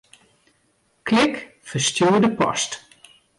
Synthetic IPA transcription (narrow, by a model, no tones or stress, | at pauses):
klɪk | fərstjuːdəpɔ̰st